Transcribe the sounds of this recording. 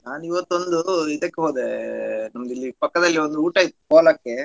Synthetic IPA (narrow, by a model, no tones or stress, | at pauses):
naːniʋɐt̪ːond̪uid̪ɐkːeɦoːd̪enɐmːɐd̪ilːipɐkːɐd̪ɐlːiɔnd̪uuːʈɐit̪ːkoːlɐkːe